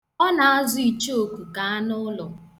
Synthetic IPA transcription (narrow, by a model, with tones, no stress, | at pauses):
ɔ˦na˨a˦zʊ˨i˨t͡ʃo˨kʷu˨ka˨a˦nʊ˦lɔ˨